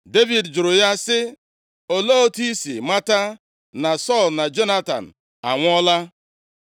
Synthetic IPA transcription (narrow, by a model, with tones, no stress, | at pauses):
de˦vi˨dd͡ʒʊ˨ɾʊ˨ja˦sɪ˦ | o˨lo˦o˦ti˦sḭ˨ma˦ta˦ | na˨sɔ˦˨lna˨d͡ʒo˦na˦ta̰˨n̩˨ | a̰˨ŋʷ˦ɔ˦la˦